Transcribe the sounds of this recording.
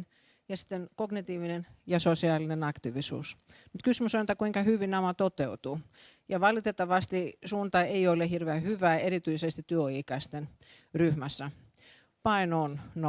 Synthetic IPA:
n | jɑsi̥t̪ːenkoɡnit̪iːʋinenjɑsosiɑːlinenɑkt̪iʋisṵːsmut̪kysmysonit̪ækuiŋkɑhyʋinɑmɑt̪ot̪eut̪u | jɑʋɑlit̪et̪ːɑʋɑst̪isuːnt̪ɑeiolehirʋeæhyʋæːerit̪yisest̪it̪yøiːkɑist̪en | ryhmæsːæ | pɑinonno

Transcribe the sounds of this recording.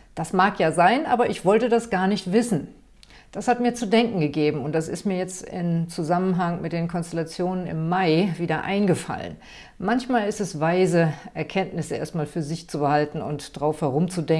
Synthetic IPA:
d̥asmaːkjaːzaɪnʔaːbɐʔɪçv̥ɔltədasɡ̥aːɐnɪçtv̥ɪsn̩ | d̥ashatmiːɐt͡sudɛŋkŋ̩ɡəɡeːbm̩ʊnt̚d̥as̬ɪ̰stmiːɐjɛt͡stɪ̰mt͡suzamənɦaŋmɪt̚d̥eːnkʰɔnstɛlat͡sjoːnənɪ̰mːaɪviːdɐʔa̰ɪnɡəfa̰lə̰n | mançmaːlɪstɛsvaɪzəʔɛɐkʰɛntnɪsəʔḛɐstmaːlfyːɐzɪçt͡subəhaltn̩ʊ̰ntd̥aʁaʊfhɛʁ̞ʊmt͡sudɛŋ

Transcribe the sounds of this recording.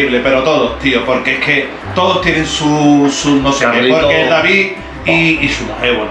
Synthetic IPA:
iβlepe̞ɾot̪o̞ðot̪iopo̞ɾkeeke̞ | t̪o̞ðost̪jenẽŋsusunoseepoɾkeeld̪aβi | iːʃueɣwen

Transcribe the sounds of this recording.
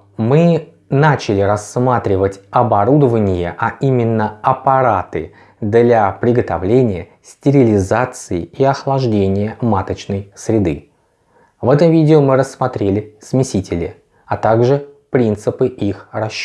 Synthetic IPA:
mɨ | nat͡ɕɪlʲɪɾɐsmat̪ɾʲɪvətʲɐbɐɾud̪əvənʲɪjəʔɐimʲɪnːəɐpɐɾat̪ɨ | d̪lʲapɾʲɪɡət̪ɐvlʲenʲɪjə | sʲtʲɪɾʲɪlʲɪzat̪sɨɪiɐxlˠɐʐdʲenʲɪjəmat̪ət͡ɕnəjsɾʲɪd̪ɨ̰ | vɛt̪əmvʲidʲɪomɨɾəsːmɐt̪ɾʲelʲɪsmʲɪsʲitʲɪlʲɪ̰ | ɐt̪aɡʐɨpɾʲint̪sɨpɨʔixrɐɕː

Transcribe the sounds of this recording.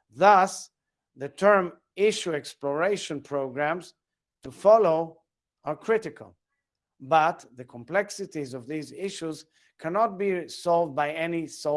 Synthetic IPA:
ðʌs | ðɨtʰɜ˞m | ɪʃuɛksplɔɹeɪʃɨ̃npʰɹ̥oʊɡɹæ̃mz̥ | tufɑloʊ | ə˞kʰɹ̥ɪɾɪkʰə̰lˠ | bʌt̪ðəkʰə̃mplɛksɨtizɔvðizɪʃuz̥ | kʰænɔt̚bisɔlˠvd̚baɪɛniso

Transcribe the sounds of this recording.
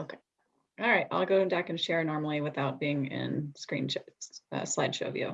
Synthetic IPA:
oʊkʰeɪ | ɑlˠɹaɪt̚a̰ɪlˠɡoʊɨ̃mbækɨ̃nʃɛɹnɔɹml̩ˠiwɨθaʊt̚b̥iɪ̃ŋɪ̰̃nskɹ̥ḭ̃nt͡ʃɛtʌ̰slaɪd̥ʃo̰ʊvjo̰ʊ

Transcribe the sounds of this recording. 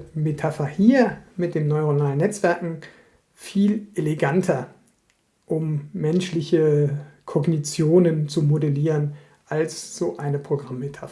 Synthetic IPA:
metʰafɐhiːɐmɪt̚d̥eːmnɔʏʁonaːlənːɛt͡sv̥ɛɐkŋ̩ | fiːlʔeleɡantʰɐ | ʔʊmːɛnʃlɪçəkʰɔɡnit͡sjoːnənt͡sumodeliːʁən | ʔalsz̥oːʔaɪnəpʁ̥oɡʁamːetʰafɐ

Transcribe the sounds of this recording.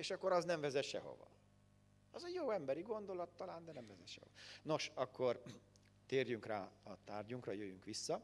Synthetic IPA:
eːʃɒkːoɾɒznɛɱvɛzɛʃɛ̰ɦo̞̰vɒ̰ | ɒzɛjoːɛmbɛɾiɡo̞nd̪o̞lɒt̪ːɒlaːnd̪ɛnɛɱvɛzɛʃɛ̰ɦo̰no̞ʃɒkʰːo̞r | t̪eːrjyŋkraːɒt̪aːrɟuŋkrɒjøjyŋkʋisːɒ

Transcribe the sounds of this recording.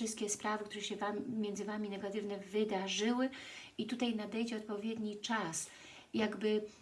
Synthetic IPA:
ɨst̪kʲɛspɾavɘk̚t̪uɾɛɕɛvammʲjɛnd̪zɘvamʲinɛɡat̪ɘvnɛvɘd̪aʐɘwɘit̪ut̪ajnad̪ɛjd͡ʑɛɔt̪̚pɔvʲjɛd̪ɲit͡ʂas | jaɡbɘ

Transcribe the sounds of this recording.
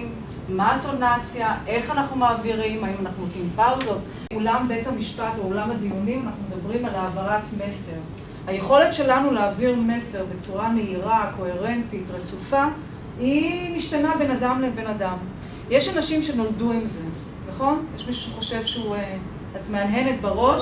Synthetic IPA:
m | maːtonat͡sjaʔe̞χanaχnumaːviʁimajomanaχnukimpaʁzo̞t | ulambe̞thamiʃpatobolamad̪ijunimanaχnume̞dabʁimalaːvaʁatme̞se̞ʁ | haje̞χo̞le̞tʃe̞lanuleːviʁme̞se̞ʁbe̞t͡suʁameiʁako̞he̞ʁe̞ntitʁet͡sufa | imiʃtanabe̞nadamlebe̞nadam | jeʃanaʃimʃe̞no̞lduimze̞ | naχo̞njeʃmiʃu̥ʃeχo̞ʃe̞vʃeue | hatmeanɦe̞netbaʁo̞ʃ

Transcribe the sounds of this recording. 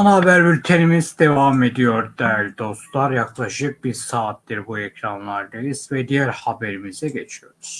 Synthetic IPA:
anabæɾbyɾt̪ʰeɾimizd̪e̞vame̞d̪ijo̞ɾd̪ælʲd̪o̞st̪lˠaɾjaklˠaʃɯk̚biɾsaːt̪̚d̪iɾbuecʰɾanlˠaɾd̪aizvɛd̪ijæɾhabeɾimizɛɟet͡ʃʰijo̞ɾuz̥

